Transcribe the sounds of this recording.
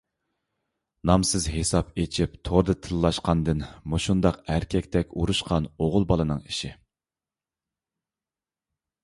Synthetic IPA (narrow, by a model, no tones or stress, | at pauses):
nɑmsɨzɦesɑpet͡ʃʰip̚t̪ʰoɾd̪ɨt̪ʰɨlˠːɑʃqɑnd̪ɨnmuʃund̪ɑqæɾkʲʰɛkʲt̪ʰɛkʲuɾuʃqʰɑnoʁʊlˠbɑlˠɨnɨŋiʃi